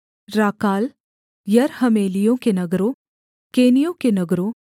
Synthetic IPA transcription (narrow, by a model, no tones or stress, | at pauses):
ɾaːkaːl | jɐɾhɐmeːlijõkenɐɡɾõ | keːnijõkenɐɡɾõ